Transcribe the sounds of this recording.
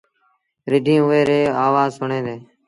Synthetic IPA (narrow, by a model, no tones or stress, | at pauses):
ɾɪɖʱĩːʊʋeːɾeːaːʋaːzsʊɳẽːd̪eː